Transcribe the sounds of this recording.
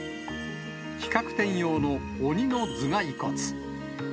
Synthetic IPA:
kʲi̥kakɯ̟̥t̪ẽ̞ɰ̃jo̞ːno̞ː | ɲ̟ino̞d͡zɨɡaiko̞t͡sɨ̥

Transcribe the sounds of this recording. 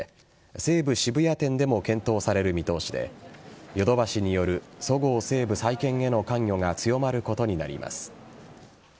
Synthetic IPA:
se̞ːbɯ̟ɕibɯ̟jat̪ẽ̞nd̪e̞mo̞kẽ̞nt̪o̞ːsaɾe̞ɾɯ̟mʲit̪o̞ːɕid̪e̞̰jo̞d̪o̞baɕiɲ̟ijo̞ɾɯ̟so̞ɡo̞ːse̞ːbɯ̟saikẽ̞ŋe̞no̞kãŋjʲo̞ŋat͡sɨjo̞maɾɯ̟ko̞t̪o̞ɲ̟ina̰ɾʲḭma̰sɨ̥

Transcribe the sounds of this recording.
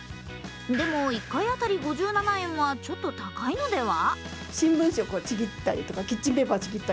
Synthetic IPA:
d̪e̞mo̞ikːaiat̪aɾʲiɡo̞ʑɨːnanaẽ̞ɰ̃βat͡ɕo̞t̪ːo̞t̪akaino̞d̪e̞βa | ɕĩmbɯ̟̃ɰ̃ɕokot͡ɕiɡʲit̪ːaɾʲḭt̪o̞kakʲit͡ɕːĩmbebat͡ɕiɡʲit̪ːa

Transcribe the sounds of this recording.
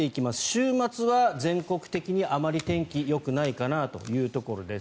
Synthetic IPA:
e̞ikʲimasɨ̥ɕɨːmat͡sɨβazẽ̞ŋko̞kɯ̟̥t̪e̞kʲiɲ̟iʔamaɾʲit̪ẽ̞ŋkʲijo̞kɯ̟naikanat̪o̞̰jɯ̟ːt̪o̞ko̞ɾo̞d̪e̞s

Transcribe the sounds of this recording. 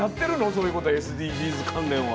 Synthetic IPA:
jat̪ːe̞ɾɯ̟noso̞ːjɯ̟ko̞t̪oesɨd̪iːbʲiːzɨkʰãnd̪ẽɰ̃a

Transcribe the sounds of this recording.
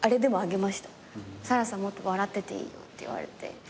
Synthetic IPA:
ɐɾed̪emoaɡemaʃt̪ḁ | saɾasamot̪ːoʋaɾat̪ːet̪ḛḭjo̰t̪ːḛa̰ɾḛt̪ːḛ

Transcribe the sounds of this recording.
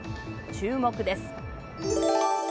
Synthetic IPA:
t͡ɕɨːmo̞kɯ̟d̪e̞sɨ̥

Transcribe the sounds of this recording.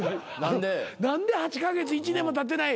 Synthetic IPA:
nãd̪enãnd̪e̞hat͡ɕi̥kaɡe̞t͡sɨit͡ɕinemːot̪at̪̬ːe̞nai

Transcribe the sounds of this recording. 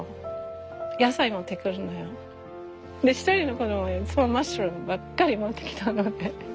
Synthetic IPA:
jasaimot̪e̞kɯ̟ɾɯnojo | d̪eçi̥t̪oɾʲino̞kod̪omojosomaɕɾõmbakːaɾʲimot̪ːe̞̥kʲi̥t̪ʰanːod̪e̞

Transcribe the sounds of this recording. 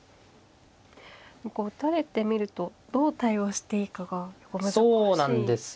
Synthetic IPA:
kot̪aɾe̞t̪e̞mʲiɾɯ̟t̪o̞d̪̥o̞ːt̪aio̞ːɕi̥t̪e̞ikaɡajokomasoːnãnd̪esɨ̥

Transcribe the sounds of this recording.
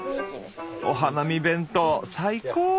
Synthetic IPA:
o̰ɦanamʲibẽ̞nt̪osaikoː

